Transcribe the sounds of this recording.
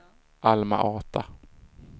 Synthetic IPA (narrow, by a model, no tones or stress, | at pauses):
ʔalma̰ʔɑːt̪ʰa